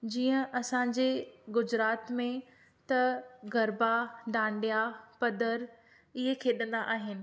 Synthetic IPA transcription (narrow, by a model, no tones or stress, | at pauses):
d͡ʑiːə̃ʔɐsãɲd͡ʑeɡʊd͡ʑɾaːt̪mẽ | t̪ɐɡɐɾbaɖ̪ãːɳɖijapɐd̪əɾ | ɪɦekʰeːɗənd̪aʔaːɦɪnɪ̆